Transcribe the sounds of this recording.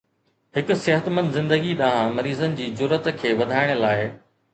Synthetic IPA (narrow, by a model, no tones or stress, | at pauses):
hɪkʊ̆seɦət̪mə̃nd̪zɪ̃nd̪əɡiɗaːɦãmɐɾiːzənɪ̆d͡ʑiːd͡ʑʊɾət̪kʰeːʋɐd̪ʱaːɪɽ̃ə̆laːɪ